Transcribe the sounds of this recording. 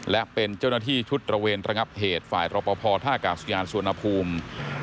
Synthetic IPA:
lɛ˦˥ʔpe˧nt͡ɕaː˥˩wnaː˥˩t̪ʰiː˥˩t͡ɕʰu˦˥t̪̚ɾa˧weː˧nɾa˧ŋa˦˥p̚heː˨˩t̪̚faː˨˩jɾɔː˧pɔː˧pʰɔː˧t̪ʰaː˥˩kaː˨˩su˧jaː˧nsu˧na˧pʰuː˧m

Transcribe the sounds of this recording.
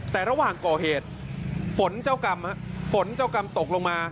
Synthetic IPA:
t̪ɛː˨˩ɾa˧waː˨˩ŋkɔː˨˩heː˨˩t̪̚fo˨˩˦nt͡ɕaː˧wka˧mha˦˥fo˨˩˦nt͡ɕaː˧wka˧mt̪o˨˩k̚lo˧ŋmaː˧

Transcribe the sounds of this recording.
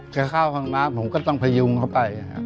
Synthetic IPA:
kaː˧˩kʰaː˥˩wkʰaː˧˩ŋnaː˦˥mhu˨˦kɔː˥˩t̪ɔ˥˩ŋpʰa˧ju˧ŋkʰa˥˩wpa˧ja˧ka̰˦˥

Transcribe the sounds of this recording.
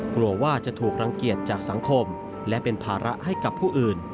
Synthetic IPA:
klu˧ɐwaː˥˩t͡ɕa˨˩t̪ʰuː˨˩k̚ɾa˧ŋki˨˩ət̪̚t͡ɕaː˨˩k̚sa˩˦ŋkʰo˧m | lɛ˦˥pe˧npʰaː˧ɾa˦˥ʔha˥˩jka˨˩pʰːuː˥˩ʔɯː˨˩n

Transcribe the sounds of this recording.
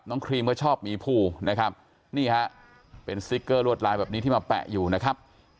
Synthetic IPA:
p̚nɔː˦˥ŋkʰɾiː˧mɯ˥˩ət͡ɕʰɔː˥˩p̚miː˧pʰuː˧˩na˦˥kʰa˦˥p̚ | niː˥˩ha˦˥ʔ | pe˧nsi˦˥kːɤː˥˩ɾu˥˩t̪̚laː˧jbɛː˨˩p̚ni˦˥t̪ʰiː˥˩maː˧pɛ̰˨˩ʔjuː˨˩na˦˥kʰa˦˥p̚

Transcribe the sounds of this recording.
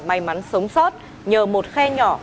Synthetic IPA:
ma˨˩jma˨˦nsə˨˦wŋ͡msɔ˦˥t̚ | ɲəː˨˩mo˨˩t̚xɛ˧ɲɔ̰˧˩

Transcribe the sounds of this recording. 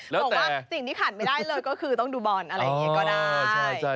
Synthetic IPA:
lɛː˦˨˦t̪ɛkwːsi˨˩ŋt̪ʰiː˥˩kʰaː˨˩n̚ma˥˩jdaː˥˩jlɤː˧jkɔː˥˩kʰɯː˧t̪ɔ˥˩ŋduː˧bɔː˨˩nʔa˧ɾa˧ɔ˩˧˦ɐkɔː˥˩daː˩t͡ɕʰa˥˩t͡ɕʰa˥˩

